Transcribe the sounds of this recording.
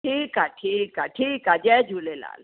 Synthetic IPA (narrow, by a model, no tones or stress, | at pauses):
ʈʰiːkaʈʰiːkaʈʰiːkad͡ʒɛd͡ʒʱuːlela̰ːl